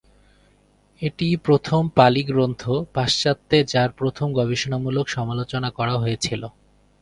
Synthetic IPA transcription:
eʈipɾot̪ʰompaliɡɾont̪ʰopaʃt͡ɕat̪ːed͡ʑaɾpɾot̪ʰomɡɔbiʃonamulokʃɔmalot͡ɕonakɔɾaɦojet͡ɕʰilo

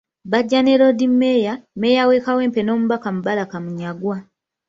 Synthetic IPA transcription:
βaɟːane̞ɾo̞dimːe̞jame̞ːjawe̞ːkawe̞ːmpe̞no̞ːmuβakamuβalakamuɲaɡwa

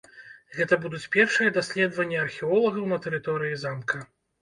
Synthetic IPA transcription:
ɣɛt̪ɐbud̪ut͡sʲpʲɛrʂɨjɐd̪asʲlʲɛd̪vɐnʲːɐɐrxʲɛɔlˠɐɣɐwnɐt̪ɛɾɨt̪ɔɾɨjizamkɐ

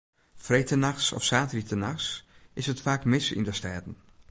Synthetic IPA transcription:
frejtənaxsɔ̰fsaːtəritənaxsɪsətfaːkmɪsḭndəstɛːdən̩

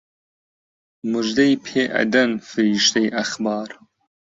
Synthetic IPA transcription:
muʒd̪ɐjpʰeːʔɐ̰d̪ɐnfɨɾiːʃt̪ɐjʔɐxbɑːɾ

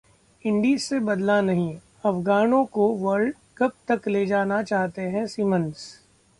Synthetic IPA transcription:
ɪ̃ɳɖiːzsebɐd̪lanɐɦĩ | ɐfɡaːnõkoʋɐɾɖ | kɐp̚t̪ɐkleːd͡ʒaːnat͡ʃaːɦt̪eɦɛ̃siːmə̃ns

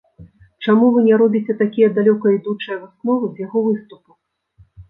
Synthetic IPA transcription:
t͡ʂamuvɨnʲɛɾɔbʲit͡sʲɛt̪akʲijɐd̪alʲɔkɐjd̪ut͡ʂɐjɐvɨsnɔvɨzʲjaɣɔvɨst̪upu

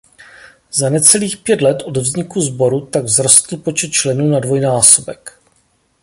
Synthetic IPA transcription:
zanɛt͡sɛliːxpjɛt̪lɛt̪ʔo̞dvzɲɪkuzbo̞ɾut̪aɡvzɾost̪l̩po̞t͡ʃɛt̪̚t͡ʃlɛnuːnadvo̞jnaːso̞bɛk

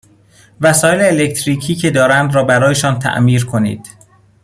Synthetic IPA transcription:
væsɒːjeleːlect̪ʰɾiːcʰiːcʰe̞d̪ɒːɾænd̪ɾɒːbæɾɒːje̞ʃɒːnt̪ʰæ̰ʔmiːɾkʰo̞nḭːd̪̥

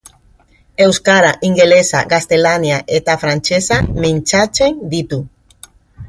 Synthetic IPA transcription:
ewskaɾaʔiŋɡelesa̰ɣast̪elanjaʔet̪afɾant͡ʃesamẽnt͡ʃat͡ʃeŋd̪it̪u

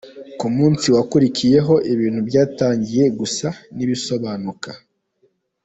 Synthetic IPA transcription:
kumuːnsiwakuɾicije̞ɦo̞ʔiβiːn̥huβɟaːtaːɲɟije̞ɡusaniβiso̞βaːnuka

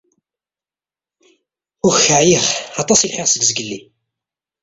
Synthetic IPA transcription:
ʊçəʕjiχɑt̪ˤɑsilħeʁsəɡzəɡəlːḭ

